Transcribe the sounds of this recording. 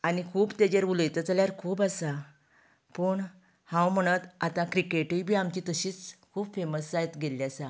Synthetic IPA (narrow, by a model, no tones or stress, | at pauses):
anikʰuːbt̪ed͡ʑeɾuləjt̪ət͡saljaɾkʰuːbasa | pəɳ | hãwm̤əɽ̃ət̪at̪ãkɾikeʈijbʱiːamt͡ɕiːt̪əɕiːt͡skʰuːbfeməssajt̪ɡelːjasa